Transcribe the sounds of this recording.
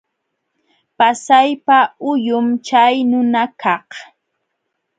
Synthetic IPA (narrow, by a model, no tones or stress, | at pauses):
pasajpaʊjʊmt͡ʃajnʊnakɑh